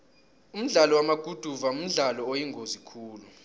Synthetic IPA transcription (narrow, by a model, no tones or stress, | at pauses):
um̩ɮalɔwamaɡ̥ʱud̥ʱuvaum̩ɮalɔojiŋɡʱozikʰuːlu